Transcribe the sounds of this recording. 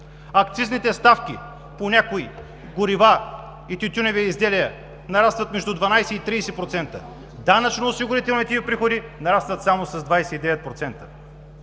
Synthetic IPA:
ɐkt̪siznit̪ɛst̪afkʲi | ponʲakoi | ɡʊɾiva | it̪yt̪ʲunɛviizd̪ɛliə | nɐɾast̪vɐt̪mɛʒd̪ud̪vanajsɛit̪ɾiːsɛpɾot̪sɛnt̪ə | d̪anɐt͡ʃnoːsiɡʊɾit̪ɛlˠnit̪ɛipɾixod̪inɐɾast̪vɐt̪samosɐzd̪vajsɛid̪ɛvɛt̪̚pɾot̪sɛnt̪ə̥

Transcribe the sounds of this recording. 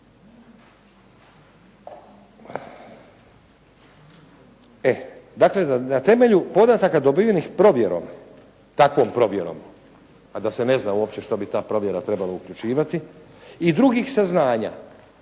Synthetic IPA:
ed̪akle̞d̪anat̪e̞me̞ʎupo̞d̪at̪akad̪o̞bijenixpɾo̞ʋje̞ɾo̞̰m | t̪akʋo̞mpɾo̞ʋje̞ɾo̞̰m | ad̪ase̞ne̞znauopt͡ɕe̞ʃt̪obit̪aːpɾo̞ʋje̞ɾat̪ɾe̞balaukʎut͡ʃiːʋat̪i | id̪ɾuɡixsaznaːɲa̰

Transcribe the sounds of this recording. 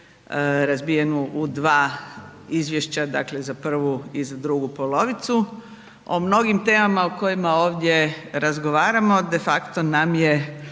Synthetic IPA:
ɾazbijenuʔud̪ʋaː | izʋje̞ʃt͡ɕad̪a̰kle̞zapr̩ʋuizad̪ɾuɡupo̞lo̞ʋit̪su | o̞̰mno̞ɡimt̪e̞ːmamaoko̞jimaoːʋd̪ʲje̞ɾazɡo̞ʋaːɾamo̞d̪e̞fakt̪o̞namje

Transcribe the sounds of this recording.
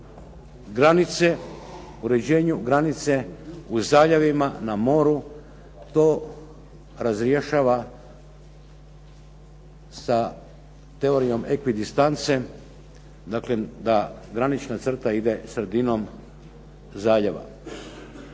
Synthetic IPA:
ɡɾanit̪se | uɾe̞d͡ʑe̞ːɲuɡɾanit̪se̞uzaːʎaʋimanamo̞ːɾu | t̪o̞ː | ɾazɾjeʃaʋa | sa | t̪e̞o̞ɾijo̞mekʋid̪ist̪ant̪se̞ | d̪akled̪aɡɾanit͡ʃnat̪sr̩t̪aid̪e̞sɾe̞d̪ino̞m | zaːʎaʋa̰

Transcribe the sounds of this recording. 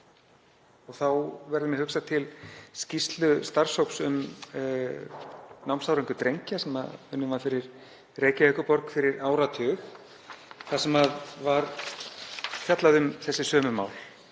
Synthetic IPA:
ɔɣθawvɛɾðʏmɛðhʏksat̪ʰɪlscist̪lʏst̪ar̥showksʏm | nawmsawɾeŋkʏt̪ɾejɲcasɛma̰ðʏnːʏmvaɾfɪɾɪɾ̥ | reːjcaehkʏpɔɾkfɪɾɪɾaːwɾat̪ʰʏːx | θasɛmaðvaɾ | fjat̪laðʏmθɛsːɪsœːmʏma̰ːwl

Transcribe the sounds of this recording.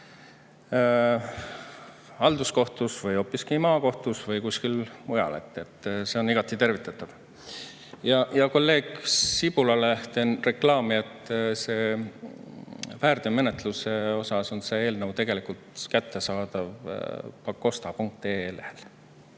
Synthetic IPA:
ɑld̪usko̞ht̪usvɤjo̞ːpːˑiskimɑːko̞ht̪usvɤjkuskilmujɑ̰le̞̰t̪ːe̞t̪ːˑse̞o̞niɡ̥ɑt̪ːˑit̪e̞rvit̪ːˑɑt̪ːˑɑv̥ | jɑjɑko̞lːe̞ːɡ̥sib̥ulɑlet̪enre̞klɑːmiet̪ːˑse̞ː | væːrd̪̥ome̞net̪luse̞o̞sɑso̞nsee̞ːlnəvwt̪e̞ɡ̥e̞likult̪kæt̪ːe̞sɑːd̪̥ɑvpɑkːo̞st̪ɑpuŋk̚t̪e̞ːeːlehel

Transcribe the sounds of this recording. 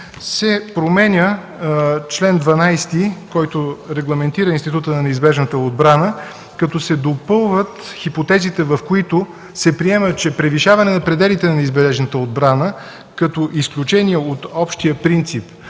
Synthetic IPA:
sɛpɾomɛnʲə | t͡ʃlɛnd̪vɐnajst̪ikɔjt̪oɾɛɡlˠɐmɛnt̪iɾəinst̪it̪ut̪ənɐnɛizbɛʒnət̪əod̪̚bɾanə | kɐt̪ɔsɛd̪opɤlˠvət̪xipot̪ɛzit̪ɛvɐfkoit̪ʊ | sɛpɾiɛmət͡ʃɛpɾɛviʃavɐnɛnɐpɾɛd̪ɛlit̪ɛnɐnɛizbɛɛʒnət̪əod̪bɾanə | kɐt̪ɔʔisklʲut͡ʃɛniɛot̪ɔpʃt̪ijəpɾint̪sip

